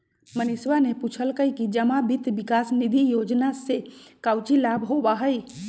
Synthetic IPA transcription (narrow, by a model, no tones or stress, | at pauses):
məniswaneput͡ʃʰəlkəikid͡ʒəmabʱit̪bikaːsnid̪ʱijoːd͡ʒnasekaʊt͡ʃilabʱɦobaɦəj